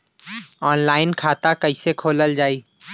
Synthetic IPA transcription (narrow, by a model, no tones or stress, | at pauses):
ɔːnlaːɪnkʰaːt̪akɐɪsekʰoːləld͡ʒaːiː